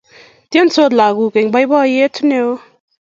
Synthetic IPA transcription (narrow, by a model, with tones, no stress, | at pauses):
t̪i˦˥˦nso˧˨t̪̚la˨ɡu˨ke˨ŋba˧˦jbɔ˦˧je˦tʰu˦ne˧w